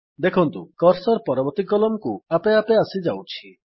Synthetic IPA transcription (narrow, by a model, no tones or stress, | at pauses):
d̪ekʰɔnt̪ukɔɾsɔɾpɔɾɔbɔɾt̪ikɔlɔmkuapeapeasid͡ʒawt͡ʃʰi